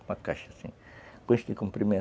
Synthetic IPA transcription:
mɐkaʃɐsḭ̃ | põʃd̪ɪkõmpɾimẽ

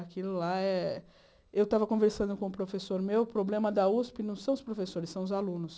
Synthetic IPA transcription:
akilʊlaɛ | ewt̪avɐkõveɾsɐ̃nd̪ʊkõʊpɾofesoɾmewpɾoblẽmɐd̪ɐuspɪnɐ̃w̃sɐ̃w̃ʊspɾofesoɾɪsːɐ̃w̃ʊzalũnʊs

